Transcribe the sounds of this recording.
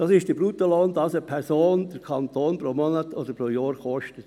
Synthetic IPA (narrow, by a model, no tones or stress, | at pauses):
d̥ɑsɪʃd̥əbɾut̪oloːndɑsəpʰɛɾsoːnd̥əɾkʰɑnt̪oːnpɾomɔnət̪odəpɾojoːɾkɔʃtət